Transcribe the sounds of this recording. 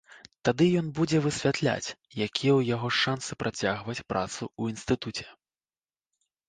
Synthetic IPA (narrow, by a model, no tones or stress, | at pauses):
t̪ad̪ɨjɔnbud͡zʲɛvɨsʲvʲat̪lʲa̰t͡sʲjakʲʰijɛwjaɣɔʂansɨpɾʔat͡sʲaɣvɐt͡sʲpɾʔa̰t̪suuinst̪ɨt̪ut͡sʲɛ̥